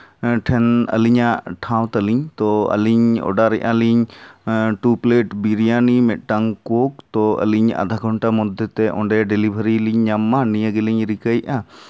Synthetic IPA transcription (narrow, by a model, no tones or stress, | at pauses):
ʈʰɛnə̰liɲaʈʰãw̃t̪əliɲt̪ɔə̰liɲɔ̰ɖaɾɛʔaliɲ | ʈupleʈbiɾijanimɛt̪̚ˀʈaŋkok̚t̪ɔə̰liɲa̰d̪ʱaɡʱɔɳʈamud̪ʱːɛt̪ɛʔɔ̰̃ɳɖɛɖelibʱəɾiliɲɲamːanijəɡeliɲɾikəjʔa